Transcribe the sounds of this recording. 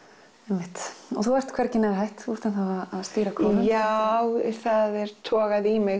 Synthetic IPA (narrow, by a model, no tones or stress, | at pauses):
ɛjmːɪht̪ɔθuvajr̥t̪kʰvɛɾ̥cɪnɛðɦajht̪uɾt̪anθavaðaðst̪iːɾakʰɔːmajawθaðɛɾ̥t̪ʰɔːɣaðimɪ